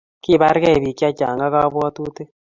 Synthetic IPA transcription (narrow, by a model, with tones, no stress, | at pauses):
ki˦ba˦ɾɡɛ˦˨bi˨kja˦t͡ʃa̰˨ŋɡa˦ka˦bwɔ˦t̪u˦t̪e˦